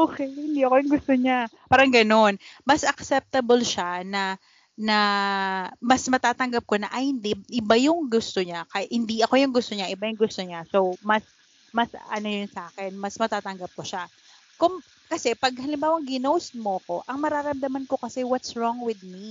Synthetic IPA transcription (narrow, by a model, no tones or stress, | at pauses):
ʔʔoːkɛjhɪnd̪iɐkojʊŋɡʊst̪oɲapaːɾɐŋɡɐno̞nmɐsʔɐksɛp̚t̪ɐbolʃanɐ | nɐ | mɐsmɐt̪aːt̪ɐŋɡɐp̚ko̞nɐʔɐjhɪnd̪ɛʔɪbajʊŋɡʊst̪oɲakɐʔhɪnd̪iʔɐko̞jʊŋɡʊst̪o̞ɲaʔɪbajʊŋɡʊst̪o̞ɲaso̞wmɐs | mɐsɐ̰nojʊnsɐʔaːkɛnmɐsmɐt̪aːt̪ɐŋɡɐp̚koʃa | kʊŋ | kɐsɛpɐɡ̚hɐlɪmbaːwɐŋɡɪnowsmoɐko̞ʔɐŋmɐɾaːɾɐmd̪ɐmɐnko̞kɐsɛwɐt̪sɹɔŋwɪd̪̚mi